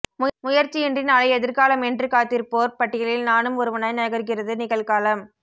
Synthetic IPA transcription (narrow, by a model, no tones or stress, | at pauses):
mʊmʊjɐɾt͡ʃːiɛndrɪnalɐɪɛðɪɾɣaːlɐmɛndrɯkaːt̪ːiɾpoːɾpɐʈːɪɣɐɭɪlnaːnɯmɔɾɯʋɐnɐnɐɣɐɾɣɪrɐðɯnɪɣɐɭɣaːlɐm